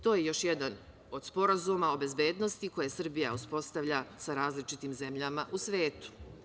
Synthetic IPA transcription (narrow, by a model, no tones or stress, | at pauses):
t̪o̞ːje̞jo̞ʃjed̪an | o̞d̪spo̞ɾazumao̞be̞zbe̞ːd̪no̞st̪iko̞je̞sr̩bijauspo̞st̪aʋʎasaɾaːzlit͡ʃit̪iːmze̞mʎamaʔusʋe̞ːt̪u̥